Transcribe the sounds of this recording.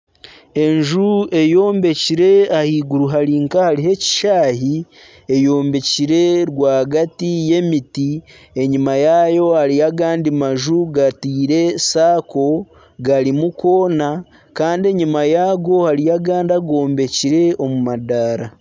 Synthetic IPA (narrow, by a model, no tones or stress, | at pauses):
e̞ɲʒue̞jo̞ːmbe̞ciɾe̞ahiːɡuɾuɦaɾiŋkahaɾiɦe̞ci̥ʃaːɦi | e̞jo̞ːmbe̞ciɾe̞ɾwaːɡatije̞miti | e̞ɲimajajo̞haɾiaɡaːndimaʒuɡatiːɾe̞saːko̞ | ɡaɾimuko̞ːna | kaːndie̞ɲimajaːɡo̞haɾijaɡaːndaɡo̞ːmbe̞ciɾe̞o̞mumadaːɾa